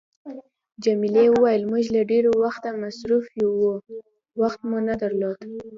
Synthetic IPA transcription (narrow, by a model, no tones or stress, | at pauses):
d͡ʒamilewəwajəlmʊʒlaɖeɾowaxt̪amasɾufjowu | waxt̪munad̪aɾlod̪